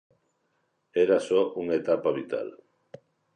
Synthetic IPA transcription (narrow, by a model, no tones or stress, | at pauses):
eɾasoʔuŋet̪apaβit̪a̰l